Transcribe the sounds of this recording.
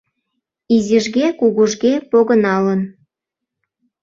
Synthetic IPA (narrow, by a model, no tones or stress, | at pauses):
iziʒɣekuɣuʒɣepoɣənɑlən